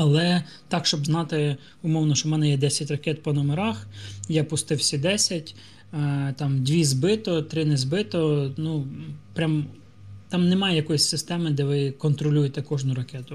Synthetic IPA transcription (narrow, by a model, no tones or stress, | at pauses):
ɐlˠɛ | t̪ɑkʃt͡ʃɔbznɑt̪ɪ | ʊmɔwnɔʃt͡ʃɔmɛnɛjɛd̪ɛsʲɐtʲrɐkʲɛt̪̚pɔnɔmeɾɑxjapʊst̪ɪwsʲid̪ɛsʲɐtʲː | t̪ɑmd̪ʲʋʲizbɪt̪ɔt̪ɾɪnɛzbɪt̪ɔnupɾʲam | t̪ɑmnemɑjɛjɐkɔjisʲsɪst̪ɛmɪd̪ɛʋɪkɔnt̪ɾɔlʲujet̪ɛkɔʒnʊɾɐkʲɛt̪ʊ